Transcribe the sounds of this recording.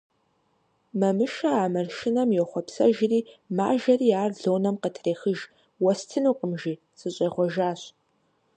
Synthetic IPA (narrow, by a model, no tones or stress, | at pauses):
mɐmɨʃɐaːmɐrʃɪnɐmjɛχʷɔpsɐ̰ʒɪriːma̰ːʒɐriːaːrɮoːnɐmqətʰreːxəʒ | wɐstʰɨnuːqʼəmʒiː | sʼɨɕʼɐχʷɔʒaːɕ